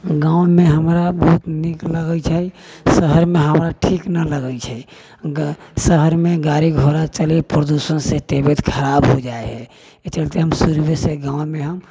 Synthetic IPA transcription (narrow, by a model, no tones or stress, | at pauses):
ɡãw̃meɦəmɾabəɦut̪nikləɡəlt͡ʃʰə | səɦəɾmeɦəmɾaʈʰiknələɡəlt͡ʃʰəi | səɦəɾmeɡaɾiɡʱoɾat͡ʃəlipɾəd̪usənsẽt̪ebet̪kʰəɾabɦod͡ʒaeɦɛ | et͡ʃəlt̪eɦəmsuɾbeseɡãw̃meɦəm